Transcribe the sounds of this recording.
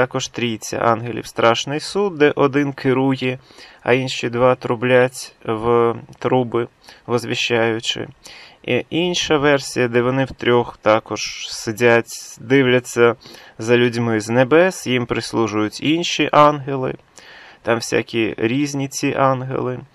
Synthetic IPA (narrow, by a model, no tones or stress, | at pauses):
t̪ɑkɔʒt̪ɾʲit͡sʲːɐ̰ʔɑ̰nɦelʲḭwst̪ɾɑʃnɪjsud̪̚d̪ɛʔɔd̪ɪnkʰɪɾujɛ | ɐ̰inʃʲid̪ʋɑt̪ɾʊblʲatʲwt̪ɾubɪ | ʋɔzʋʲiʃːajʊt͡ʃɪ̰iʔinʃɐʋɛrsʲijɐd̪ɛʋɔnɪwt̪ɾʲɔxt̪ɑkɔʒ̥sɪdʲatʲd̪ɪwlʲɐt͡sʲːɐ | zɐlʲʊdʲmɪznebɛsjimpɾɪslˠuʒʊjʊtʲinʃiʔɑnɦelˠɪ̰ | t̪ɑmwsʲa̰kʲiɾʲizʲnʲit͡sʲiʔɑnɦḛlˠɪ